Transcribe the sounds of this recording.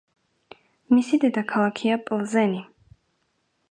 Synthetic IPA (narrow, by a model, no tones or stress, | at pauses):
misid̪ɛd̪akʰalˠakʰiapʼlˠzɛni